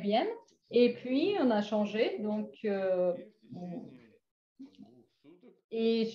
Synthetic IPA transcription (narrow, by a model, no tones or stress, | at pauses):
bjɛn | epɥiɔ̃naʃɑ̃ʒed̪ɔ̃kø̃ | eʒ